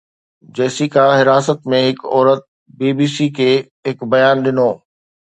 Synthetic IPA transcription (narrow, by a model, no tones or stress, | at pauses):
d͡ʑɛːsikaɦɪɾaːsət̪mẽɦɪkɔːɾət̪̚ | biːbiːsikʰeː | ɦɪkbɐjaːnɗɪnoː